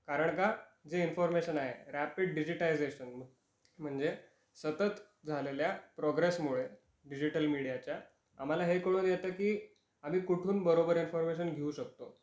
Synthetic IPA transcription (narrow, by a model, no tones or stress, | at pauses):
kaɾəɳkad͡zeinfɔɾmeɕənaɦḛɾæpiɖ̚ɖid͡ʑiʈaid͡zeɕən | m̤əɳd͡ze | sət̪ət̪ | d͡zʱaleljapɾɔɡɾesmuɭe | ɖid͡ʑiʈəlmiɽijat͡ɕja | a̰m̤alaɦekəɽ̃uːnjet̪əkiː | am̤iːkuʈʰuːnbəɾobəɾinfɔɾmeɕənɡʱeũɕəkt̪o